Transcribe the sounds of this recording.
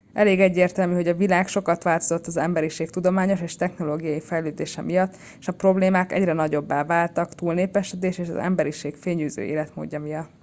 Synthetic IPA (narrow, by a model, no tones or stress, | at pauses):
ʔɛleːɡɛɟːeːrt̪ɛlmyːɦo̞ɟɒvilaːkʃo̞kɒt̪ʋaːlt̪o̞zo̞t̪ːɒzɛmbɛɾiʃeːkt̪ud̪o̞maːɲo̞ʃeːʃt̪ɛxno̞loːɡijɒjifɛjløːd̪eːʃɛmʔijɒt̪ː | eʃɒpro̞bleːmaːkɛ̰ɟrɛnɒɟo̞bːaːvaːlt̪ɒkt̪uːlneːpɛʃɛd̪eːʃeːʃɒ̰zɛ̰mbɛɾiʃeːkfeːɲyːzø̰ʔḛːlɛt̪mo̰ːɟːɒmijɒt̪ː